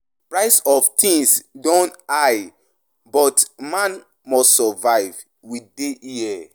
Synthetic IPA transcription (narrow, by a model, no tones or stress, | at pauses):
pɹaɪsɔftʰĩŋsdõntaj | bɔtmãn | mɔstsɔvaɪv | wideʔiɛ